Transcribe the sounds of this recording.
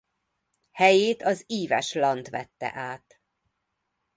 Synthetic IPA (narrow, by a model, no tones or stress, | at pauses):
hɛjeːt̪ɒziːvɛ̰ʃlɒnt̪ʋɛt̪ːɛ̰ʔaːt̪